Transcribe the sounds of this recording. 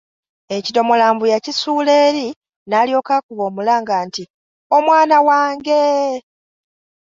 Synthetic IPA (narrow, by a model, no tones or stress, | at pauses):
ecito̞molaːmbujacisuːle̞ːɾi | naːljo̞ːkaːkuβo̞ːmulaːŋɡaːnti | o̞mwaːnawaːŋɡe